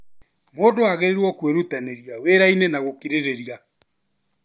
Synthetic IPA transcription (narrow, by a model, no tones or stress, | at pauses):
moːdoaɣeɾeɾwɔkweɾut̪aneɾiaweɾainenaɣokiɾeɾeɾija